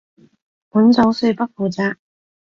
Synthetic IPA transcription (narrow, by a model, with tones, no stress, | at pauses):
pu˨˥nt͡so˨˥wsɵ˧ɥpɐ˥k̚fuː˨˩t͡saː˧k